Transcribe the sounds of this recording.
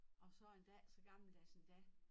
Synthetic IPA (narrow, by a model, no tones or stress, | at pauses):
ʔɒ̽sɒ̽e̝nd̥ɛsɒɡ̥ɑ̈ml̩d̥æsend̥ɛ